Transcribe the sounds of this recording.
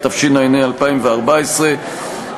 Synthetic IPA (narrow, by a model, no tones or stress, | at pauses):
t̪afʃinajnejalpaimveaʁbaesʁe